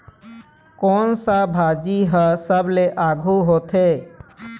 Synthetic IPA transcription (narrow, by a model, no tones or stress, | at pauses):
kɔːnsabʱad͡ʒiɦəsəbleʔaɡʱuɦoːt̪ʰe